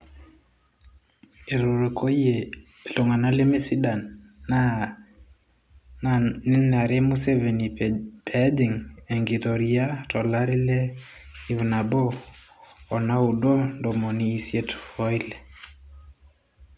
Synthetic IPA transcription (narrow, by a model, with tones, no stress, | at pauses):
e˨ɾo˨ɾe˨kʰo˦je˨ | lo˨ŋa˨na˦le˦mi˦si˦da˨nːa | ni˦na˨ɾe˦mu˦se˦ve˨ni˨pʰɛ˨˦di˨ŋe˨ŋɡi˨to˨ɾi˦a˦tɔ˨la˦ɾi˦lɛ˦i˦vna˨boː˦˨ | na˦u˨do˦ndo˨mɔ˨niː˦˨sje˦tfɔ˦i˦le˨